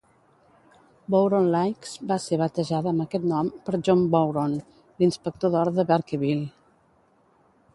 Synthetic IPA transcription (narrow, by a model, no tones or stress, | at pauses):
bowɾonlajksbaseɾβət̪əʒaðəəməkɛt̪nɔmpəɾʒɔmbowɾon | linspək̚t̪oðɔɾðəβɛɾkəβil